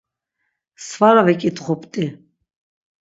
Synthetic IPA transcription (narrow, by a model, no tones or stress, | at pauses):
svaɾavɛkʼit̪ʼχɔpʰʼt̪ʼi